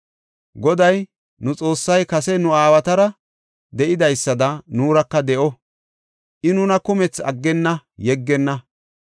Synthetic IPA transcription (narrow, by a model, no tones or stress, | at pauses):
ɡɔd̪ɐj | nʊt͡sʼo̞ːsːɐjkɐsɛnʊaːwɐt̪ɐɾɐ | d̪ɛʔɪd̪ɐjsːɐd̪ɐnuːɾɐkːɐd̪ɛʔɔ | ʔɪnʊnɐkʊmɛt͡sɐ̰ɡːɛnːɐjɛɡːɛnːɐ